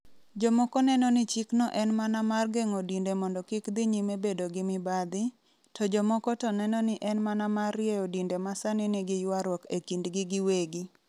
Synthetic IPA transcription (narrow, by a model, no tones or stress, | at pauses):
d͡ʒɔmɔkɔnɛnɔnɪt͡ʃiknɔʔɛnmanamarɡeŋodindemɔndɔkɪkd̪ɪɲimebedoɡɪmɪbad̪ɪ | tʰɔd͡ʒɔmɔkɔtɔnɛnɔnɪʔɛnmanamarjeodindemasanɪnɪɡɪjwaɾwɔkekindɡɪɡɪweɡi